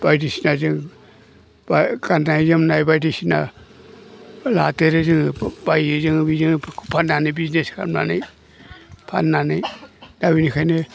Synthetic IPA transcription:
b̥ajdisinazɯŋ | bakanːajzɯmnajbajdisina̰ | lateɾɯzɯŋbajzɯŋbizɯŋpʰanːanibizneskʰa̰mna̰na̰j | pʰa̰nːanɯjdawinikʰajnɯ

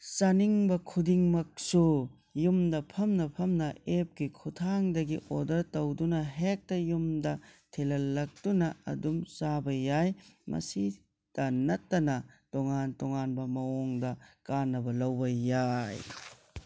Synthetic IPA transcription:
sɐniŋbɐkʰudiŋmɐk̚su | jumdɐpʰɐmnɐpʰɐmnɐep̚ɡikʰutʰaŋdɐɡiʔodɐɾtowdunɐɦek̚tɐjumdɐtʰelɐlːɐk̚tunɐɐ̰dumsabɐjajmɐ̰si | d̥ɐnɐtːɐnɐtoŋantɔŋanbɐmɐɔŋdɐkanːɐbɐlɐwbɐːaj

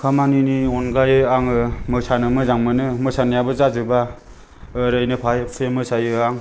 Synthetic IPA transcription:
kʰamaniniɔnɡajɯaŋɯmɯsanɯmɯzaŋmɯnɯmɯsʰanijabɯzazɯba | ɾɯjnɯpʰajpʰemɯsajɯaŋ

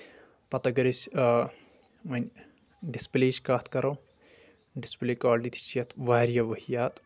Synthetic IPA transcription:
pɐt̪ɐɡɐɾisʲ | mɐnʲ | ɖispleːt͡ʃkaːt̪ʰkɐɾo | ɖispleːkaːlʈit̪ʰi̥t͡ʃɐt̪ʰʋaːɾjɐʋɐhijaːt̪

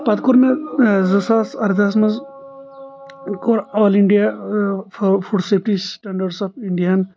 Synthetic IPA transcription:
pɐt̪kuɾmezɐsaːsɐɾd̪ʱasmɐz | koɾɔːliɳɖija | fuɖseːp̚ʰʈisʈɐɳɖɐɾɖsɔpʰiɳɖijaːn

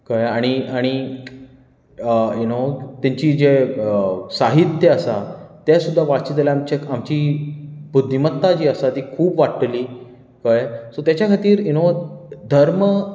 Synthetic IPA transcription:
kajaɽ̃iaɽ̃i | junot̪jaɲt͡ɕiːd͡ʑeəsaɦit̪jəəsat̪jesud̪ʱːaʋaɽt͡ɕit̪̬laamt͡ɕekamt͡ɕiːbud̪ʱːimət̪ːad͡ʑiːəsat̪iːkʰuːpʋaʈliː | kajsot̪jat͡ɕjakʰat̪iːɾjunod̪ʱəɾmə

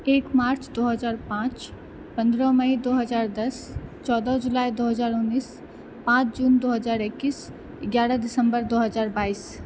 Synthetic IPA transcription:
eːkmaːɾt͡ʃd̪oːɦəzaːɾpãːt͡ʃ | pɐ̃nd̪ɾə̃məid̪oːɦɐzaːɾd̪ɐst͡ʃɔːd̪əd͡ʒʊlaːid̪oːɦəzaːɾʊnːiːs | pãːt͡ʃd͡ʒuːnd̪oːɦɐzaːɾɪkːiːs | ɪɡjaːɾəd̪ɪsə̃mbəɾd̪oːɦəzaːɾbaːiːs

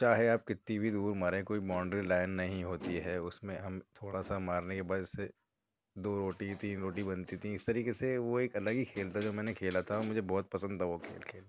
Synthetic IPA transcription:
t͡ʃaːɦeaːp̚kɪt̪nibʱid̪uːɾmaːɾẽkoːibɔ̃ːɳɖɾilaːɪnːɐɦĩɦoːt̪iɦɛːʊsmẽɦɐmt̪ʰoːɽasamaːɾnekebaːdɛse | d̪oːɾoːʈit̪iːnɾoːʈibɐnt̪it̪ʰĩɪst̪ɐɾiːkeseʋoeːkɐləɡikʰeːlt̪ad͡ʒoːmɛːnekʰeːlat̪ʰaɔmʊd͡ʒʱebɔːt̪̚pɐsə̃nd̪̚t̪ʰaʋokʰḛːlkʰeːl

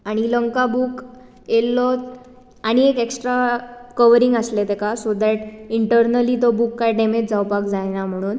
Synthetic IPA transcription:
aɽ̃iləŋkabuːk | jelːɔt̪ | aɽ̃iekeksʈɾakəʋəɾiŋɡəslet̪ekasod̪æʈiɳʈəɾnəlit̪ɔbukːajɖemed͡ʑd͡zawpakd͡zajnam̤əɽ̃uːn

